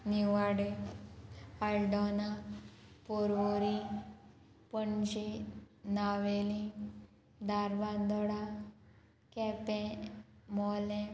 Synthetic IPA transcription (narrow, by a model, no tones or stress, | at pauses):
niʋaɽe | alɖɔna | poɾʋoɾi | pəɳɕinaʋelĩ | d̪aɾʋãnd̪ɔɽa | kɛpɛ̃ | mɔlɛ̃